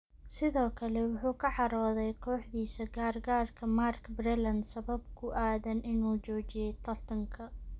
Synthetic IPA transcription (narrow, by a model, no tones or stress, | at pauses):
sɪðɔːkʰɐlɛwʊħuːkʰɐʕɑɾɔːðɛjkʰɔːħðiːsɐɡaːrɡaːrkʰɐmarkbrɛlɐnsɐβɐbkʰʊʔaːðɐnʔɪnuːt͡ʃɔːt͡ʃɪjɛjt̪ʰɐrt̪ʰɐŋkʰɐ